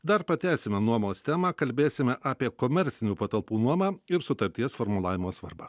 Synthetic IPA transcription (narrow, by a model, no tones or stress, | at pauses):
d̪ɐɾpɾɐt̪ʲæːsʲɪmʲɛnuɔmoːst̪ʲæːmɑːkɐlʲbʲeːsʲɪmʲɛʔaːpʲiɛkoːmʲɛɾʲt̪sʲɪnʲuːpɐt̪ɐlˠpuːnuɔmɑːɪɾsʊt̪ɐɾʲt̪ʲiɛsfoːɾmʊlˠɑːʋʲɪmoːsʋɐ̰ɾbaː